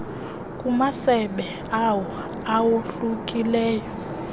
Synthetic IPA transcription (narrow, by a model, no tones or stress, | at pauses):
kʼumasɛɓɛ | awɔ | awoɬukʼilɛːjɔ